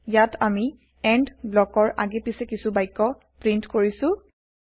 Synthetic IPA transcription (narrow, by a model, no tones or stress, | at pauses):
jatʰami | ɛɳdblɔkɔɹa̰ɡɛpisɛkisubajkːɔ | pɹintkoɹisʊ̃